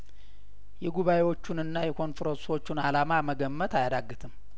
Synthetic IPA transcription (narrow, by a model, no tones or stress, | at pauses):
jɛɡuβajewo̞t͡ʃːunɨnːajɛkʰo̞nfɾonso̞t͡ʃːunalamaməɡəmːət̪ajad̪aɡːɨt̪ʰɨm